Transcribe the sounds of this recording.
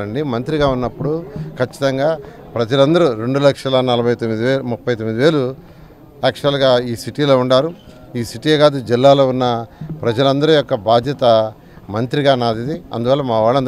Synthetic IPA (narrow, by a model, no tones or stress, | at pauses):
ɐɳɖimɐnt̪ɾiɡaːunːɐpːuɽukʰɐt͡ʃːi̥t̪ɐŋɡaː | pɾɐd͡ʒɐlɐnd̪ɐɾuɾe̞ɳɖulɐkʂɐlɐnɐlɐbʱɐjt̪omːid̪iʋeːmupːɐjt̪omːid̪iʋe̞ːlu | ɛkʂɐlɡaːiːsiʈiːlo̞ːuɳɖaːɾu | iːsiʈiːeːɡaːd̪ud͡ʒilːaːlo̞ːunːɐpɾɐd͡ʒɐlɐnd̪ɐɾujɔkːɐbaːd̪ʱjɐt̪ɐ | mɐnt̪ɾiɡaːnaːd̪id̪iɐ̰nd̪uʋɐːlːɐmaːʋaːɭːɐnd̪